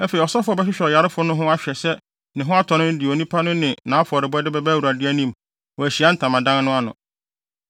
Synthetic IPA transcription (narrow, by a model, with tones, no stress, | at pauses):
æ˦fe˨i˨ɔ˨sɔ˦fʊ˦ɔ˦bɛ˦ɕᶣɪ˦ɕᶣɛ˨ɔ˨ja˨ɾɪ˦fʊ˦nʊ̃˦ɦʊ̃˦a˦ɕᶣɛ˨sɛ˦ | nɪ̃˨ɦʊ̃˦a˦tʰɔ˨nʊ̃˦n̩˦dɪ˨o˨nĩ˦pʰa˦nʊ̃˦nɪ̃˨nãː˨˦fɔ˨ɾɪ˨bɛ˦dɪ˦bɛ˦bɛ˦wu˨ɾa˨dɪ˦æ˦nĩ˦m | wɔ˨æ˨ɕi˨a˦n̩˦tʰã˨mã˨dã˦nnʊ̃˦a˦nʊ̰̃˨